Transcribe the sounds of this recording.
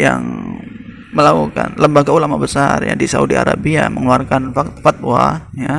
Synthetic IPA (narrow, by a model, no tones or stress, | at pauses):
jaŋ | məlauka̰nləmbaɡaulamabəsarja̰disaudiaɾabiaməŋluarkanfat̪fat̪̚waja